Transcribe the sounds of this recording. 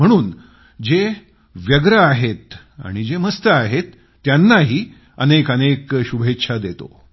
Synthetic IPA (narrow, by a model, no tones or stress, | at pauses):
m̤əɽ̃uːn | d͡ʑe | ʋjəɡɾəaɦet̪ | a̰ɽ̃id͡ʑeməst̪əaɦet̪ː | janːaɦiː | ə̰nekənekɕubʱetːɕʰad̪et̪o̰